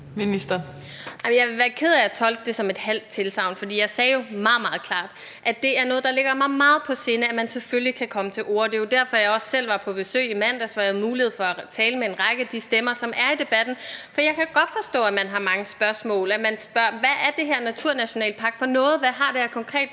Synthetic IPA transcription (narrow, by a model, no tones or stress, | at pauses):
minisd̥ɐ | ɑ̈ɪmnjɑɪʋe̝ʋæːɐkʰe̝ðˠæjɑt͡sʰɒ̽ld̥əd̥e̝sɒ̽me̝d̥hæl̰d̥̚t͡sʰe̝lsɑ̈ʊnfɒ̽d̥ḭːjɑ̈ɪsɛːjo̝mɑ̈ːð̩ˠmɑ̈ːð̞ˠkʰlɑ̰̈ːd̥ | ʔæ̥d̥e̝æɐnɔ̽ːðˠd̥ɑ̈le̝ɡ̥ɐmɑ̈ɪmɑ̈ːð̞̩ˠpʰɒ̽se̝ːnəæmænseføllikʰækʰɒ̽mət͡sʰe̝lʔo̝̰ːɐ̰d̥e̝jod̥æɐ̰fɒ̽jɑ̈ɪɒ̽sːel̰ʋɑ̈pʰɒ̽b̥e̝sø̰ːimæn̰d̥æsʋɑ̈hæð̩ˠmuːlihe̝ð̞̰ˠfɒ̽æt͡sʰɛːləmee̝nʁɑ̈ɪɡ̥əæd̥isd̥emɐsɒ̽mʔæɐid̥e̝b̥æd̥n̩fɒjɑ̈ɪkʰæɡ̥ɒ̽d̥fɒ̽sd̥ɔ̰ːæmænɦɑ̈mɑ̈ŋəsb̥ɶɐsmɔ̰̽ːlæmænsb̥ɶɐ̰ʋæʔæɐd̥e̝ɦeɐ̰næt͡sʰuɐnæɕo̝nɛ̰ːlpʰɑ̈ːɡ̥fɒ̽nɔ̽ːð̞̩ˠʋæɦɑ̈d̥eæɐkʰɒ̽ŋkʰʁɛ̰ːd̥